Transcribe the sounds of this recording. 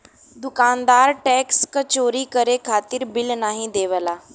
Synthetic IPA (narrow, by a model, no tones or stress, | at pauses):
d̪ukand̪aɾʈɛkskət͡ɕoɾiːkəɾekʰat̪iːɾbilnaɦĩd̪eʋla